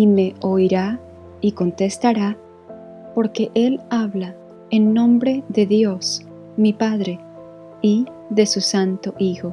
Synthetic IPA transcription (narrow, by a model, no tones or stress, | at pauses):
ime̞ojɾa | iko̞nt̪e̞st̪aɾa | po̞ɾke̞ʔe̞laβla | enːõ̞mbɾe̞ðe̞ðjos | mipaðɾe̞ | i | ðe̞susant̪o̞ʔixo̞